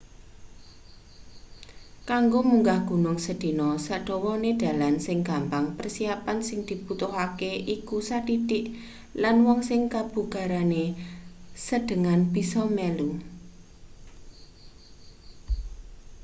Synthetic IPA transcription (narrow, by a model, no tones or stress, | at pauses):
kaŋɡomuŋɡahɡ̥ṳnʊŋsəd̪̥i̤nɔsaɖ̥ɔ̤wɔned̪̥a̤lansɪŋɡambaŋpərsiapansɪŋd̪̥i̤b̥ut̪ʊɦakeʔikusat̪it̪ɪʔ | lanwɔŋsɪŋkab̥ṳɡ̥a̤ɾane | səɖ̥ə̤ŋanb̥i̤sɔmɛlu